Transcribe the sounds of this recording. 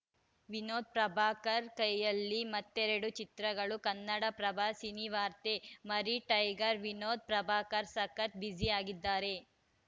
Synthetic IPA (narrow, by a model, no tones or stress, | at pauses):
ʋinoːd̪̚pɾɐbʱaːkɐɾkɐjjɐlːimɐt̪ːeɾɐɽut͡ʃit̪ɾɐɡɐɭukɐnːɐɽɐpɾɐbʱaːsiniʋaːɾt̪emɐɾiʈɐjɡɐɾʋinoːd̪̚pɾɐbʱaːkɐɾsɐkɐt̪̚bid͡ʒiaːɡid̪ːaːɾe̞